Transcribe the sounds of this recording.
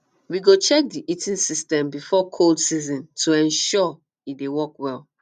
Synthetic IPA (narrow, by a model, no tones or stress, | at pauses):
wiɡot͡ʃɛk̚diʔitʰĩnsistɛ̃mbifɔkʰoldsizɔ̃ntʰuɛ̃nʃɔ | idewɔkwɛlˠ